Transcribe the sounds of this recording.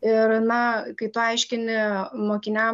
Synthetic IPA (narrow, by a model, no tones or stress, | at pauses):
ɪɾnɐkɐɪt̪ʊɐɪʃʲkʲɪnʲɪmoːkʲɪnʲæ